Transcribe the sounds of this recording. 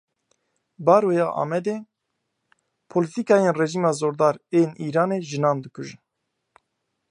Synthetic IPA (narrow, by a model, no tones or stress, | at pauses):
bɑːɾojɑːʔɑ̰ːmɛd̪eː | pʰolɨt̪ikɑːjenrɛʒiːmɑːzoːɾd̪ɑːɾeːniːɾɑːneːʒɨnɑːnd̪ɨkʰuʒɨn